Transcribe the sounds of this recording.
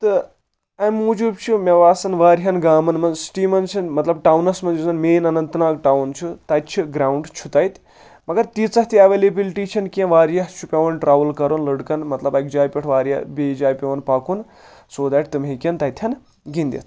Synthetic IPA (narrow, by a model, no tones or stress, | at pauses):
t̪ɨ | ɐmuːd͡ʒub̚t͡ʃʰumʲɐʋaːsɐnʋaːɾɦɐnɡaːmɐnmɐnsʈiːmɐnt͡ʃʰinmɐt̪lɐbʈawnɐsmɐnd͡ʒuzɐnmeːnɐnɐnt̪naːk̚ʈawnt͡ʃʰut̪ɐt̪t͡ʃʰuɡɾaːwɳɖt͡ʃʰut̪ɐjt̪ | mɐɡɐɾt̪it͡sɐht̪iɐʋeːlebilʈit͡ʃʰinkẽʋaːɾjɐht͡ʃʰupʲɐʋɐnʈɾaːʋɐlkɐɾunlɐɽkɐnmɐt̪lɐbɐkd͡ʒaːjpʲiʈʰʋaːɾjɐ̰bed͡ʒaːjpʲɐʋɐnpaːkun | soːd̪aːʈ̚ʰt̪ɨmɦĩkʲɐnt̪ɐjt̪ʰjɐn | ɡind̪ḭt̪ʰ